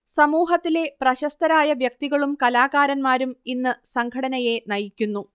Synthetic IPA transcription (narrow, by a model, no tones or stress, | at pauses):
sɐmuːɦɐt̪ːile̞prɐɕɐst̪ɐɾaːjɐʋjɐk̚t̪iɣɐɭumkɐlaːɣaːɾɐnmaːɾuminːɨsɐŋkʰɐɽɐnɐje̞nɐjikʲːunːu